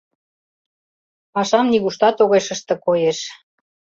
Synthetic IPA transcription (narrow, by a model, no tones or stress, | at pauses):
ɑʃɑmniɣuʃt̪ɑt̪oɣeʃəʃt̪ɤ̆kojeʃ